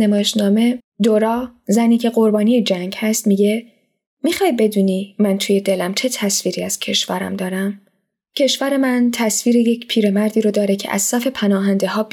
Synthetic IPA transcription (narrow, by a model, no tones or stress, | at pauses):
nemɒːjeʃnɒːme̞ | d̪oɾɒːzæniːcʰe̞ɢo̞ɾbɒːnijed͡ʒæŋɟhæst̪miɟe̞ | miχɒːjbe̞d̪uːniːmænt̪ʰuje̞d̪e̞læmt͡ʃʰe̞t̪ʰæsviːɾiːæz̥cʰe̞ʃvæɾæ̰md̪ɒːɾæm | cʰe̞ʃvæɾe̞mænt̪ʰæsviːɾejecʰpʰiːɾe̞mæɾd̪iːɾod̪ɒːɾe̞cʰe̞̰ʔæ̰z̥sæfe̞pʰænɒːɦænd̪e̞ɦɒː